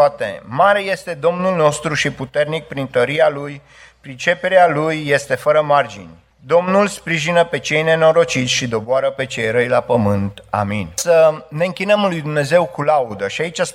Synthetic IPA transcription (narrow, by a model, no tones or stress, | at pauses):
at̪ḛmaɾe̞je̞st̪e̞d̪o̞mnulno̞st̪ɾuʃiput̪e̞rnik̚pɾint̪əɾialuj | pɾit͡ʃe̞pe̞ɾealujːe̞st̪e̞fəɾəmard͡ʒḭnʲ | d̪o̞mnulspɾiʒinəpe̞t͡ʃe̞jne̞no̞ɾo̞t͡ʃit̪sʲʃid̪o̞boaɾəpe̞t͡ʃe̞jɾəjlapəmɨnt̪a̰minsəne̞ɨŋkʲinəmlujd̪umne̞ze̞wkulaud̪əʃiait͡ʃʲas